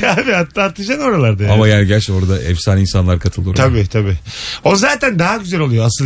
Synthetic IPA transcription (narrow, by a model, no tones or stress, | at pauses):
abiat̪ːaːt̪ʰɯd͡ʒano̞ɾalˠaɾd̪ajamajaːniɟæt͡ʃoɾad̪aʔɛfsaːninsanlˠaɾkʰat̪ʰɯlˠd̪uɾt̪ʰabiːt̪ʰabiːonzaːt̪ʰænd̪aɦaɟyzælʲo̞lˠujoasɯl